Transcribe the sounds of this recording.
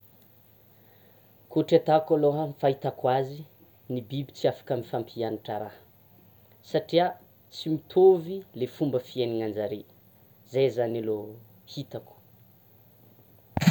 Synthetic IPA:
kuʈ͡ʂat̪akaloɦafaɦit̪akwazi | nibibit͡siafḁkamifampianiʈ͡ʂəɾa | saʈ͡ʂia | t͡simit̪ʰovilefumbəfieniŋand͡ʒaɾe | zajzanalo | hit̪aku̥

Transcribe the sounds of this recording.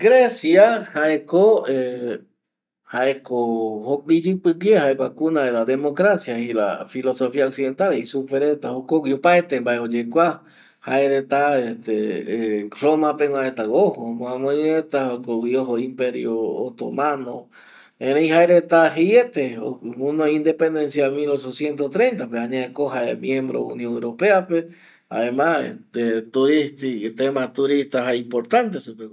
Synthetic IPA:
ɡɾesjahaekoe | haʔekohokid͡ʒɨpɨwjehaekʷakunaelad̪emokɾasjahila̰filo̞sofiaoksiðe̞nt̪aleisupeɾet̪ahokowiopaet̪embaʔeod͡ʒekʷa | haeɾet̪aeht̪e | romãpeŋw̃ãʔet̪aɣohomõamõɲeet̪aokowioɦoimpeɾjo̰ːt̪o̰mãnõ | ẽɾejhaeɾet̪aɦjet̪eo̰unoĩnd̪epẽnd̪ẽnsjamilot͡ʃosjent̪oht̪ɾejnt̪apeaɲãekoɦaemjẽmbɾo̰ṵnjõŋewɾopeape | a̰emãḛt̪et̪uɾist̪it̪emat̪uɾist̪aɦaimpoɾt̪ãnt̪esupe

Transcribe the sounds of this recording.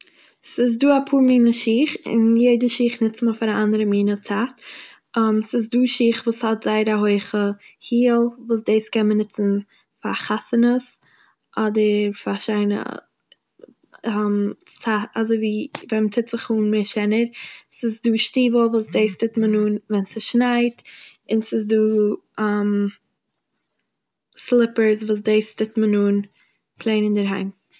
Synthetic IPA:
sɪs̬duːapʰuːɾmiːnəʃiːχɪ̰njeɪdəʃiːχnɪt͡sməfaɾaʔandəɾəmiːnət͡sat | əmsɪs̬duːʃiːχvuːshɔtz̥aɪɾaɦoɪχəhiːlˠvuːs̬deɪskɛnmənɪt͡sn̩ | fa̰χasənəs | ʔɔdəɾfaʃaɪnə̰ | amsaazoɪviːvɛnmət͡sɪtz̥ɪχuːnmeʃɛnəɾsɪsduːʃtiːvəlˠvuːsdeɪstɪtmənuːnvɛnsɪʃnaɪt | ɪnsɪsduː | am | slˠɪpəɾsvuːs̬deɪstɪtmənuːn | pʰlˠeɪnɪndəɾɦa̰ɪm

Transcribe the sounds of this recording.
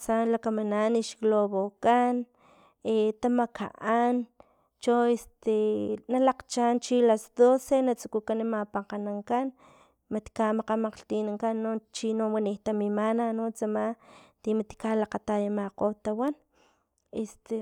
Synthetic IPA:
sanlakamananːiʃkloβokan | et̪amakʰa̰ʔan | t͡ʃoest̪enalaqt͡ʃant͡ʃilasd̪osenat͡su̥kukanimapaqanaŋkan | mat̪i̥kamaqamaqɬt̪inaŋkanːot͡ʃinowaniht̪amimananot͡samat̪imat̪i̥kalaqat̪ajamaqot̪awan | est̪e

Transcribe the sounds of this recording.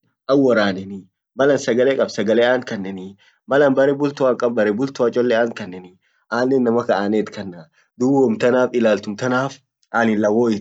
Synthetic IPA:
ʔɐwːɔɾaːnɛnɪ | bɐlɐnsɐɡɐleːkʼɐbsɐɡɐleːaːŋkɐnːɛnɪ | mɐlɐnbɐɾɛbʊlt̪ʊakʼɐb̚bɐɾɛbʊlt̪ʊat͡ʃʼɔlːeaːŋkɐnːɛnɪ | ʔaːnːɛnnːɐmɐkɐʔaːneːt̪kɐnːaː | d̪ʊboːmt̪ɐnaːfɪlaːlt̪ʊmt̪ɐnaːf | ʔaːnɪlːɐwoːɪ

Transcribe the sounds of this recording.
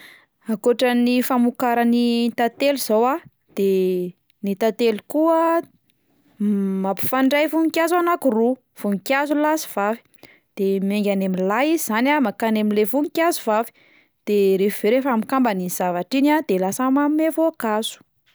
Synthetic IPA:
akoʈ͡ʂənifamukaɾanit̪at̪eliz̥owa | d̪̥e | nit̪at̪elukuə | mapu̥faɳɖ͡ʐajvuŋikʲjazanakuru | v̥uŋikjazulasi̥v̥avi̥ | d̪̥emeŋɡʲanaminlaizizanamakanamilevuŋikʲazuvavi̥ | d̪̥eɾefv̥eɾefamikambaniz̥avaʈ͡ʂinad̪̥elasamamevoakazu̥

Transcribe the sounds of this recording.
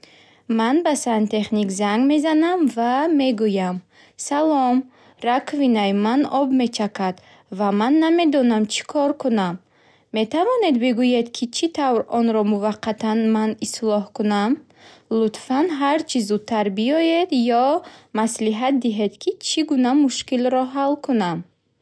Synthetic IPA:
manbasant̪ʰe̞χnikzaŋɡme̞zanamvame̞ɡujam | salɔm | rakʰvinajmanɔbme̞t͡ʃʰakʰad̪̥ | vamanːame̞d̪ɔnamt͡ʃʰi̥kʰɔɾkʰunamː | e̞t̪ʰavɔne̞d̪biɡujed̪kʰit͡ʃʰit̪ʰavɾɔnɾɔmuvaqʰːat̪ʰanmanislɔhkunam | lut̪fanɦaɾt͡ʃʰizud̪̚t̪ʰːaɾbiɔje̞d̪jɔmasliɦat̪̚d̪iɦe̞d̪kʰit͡ʃʰiɡunamuʃkilɾɔɦalkʰunam

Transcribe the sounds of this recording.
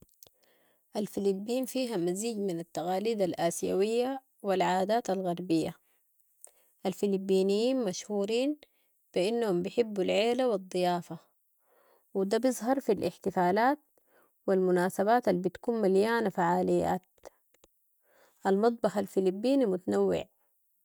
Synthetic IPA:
ʔalfilibːiːnfiːɦamaziːɟminat̪ːaɣaːliːd̪alʔaːsja̰wijːa | wilʕaːd̪aːt̪alɣɑɾˤbijːa | ʔalfilibːiːnijːiːnmaʃhuːɾiːn | b̥iʔinːahumbɪħɪbːulʕeːlawɨd̪ˤːɨjaːfa | wid̪abɪzˤɦɑɾˤfilʔɪ̰ħt̪ɪfaːlaːt̪̚ | wilmʊnaːsaβaːt̪albit̪kuːnmaljaːnafaʕaːlijːa̰ːt̪̚ | ʔalmɑt̪̚ˤbɑħalfilibːiːnimʊt̪anawːɪ̰ʕ

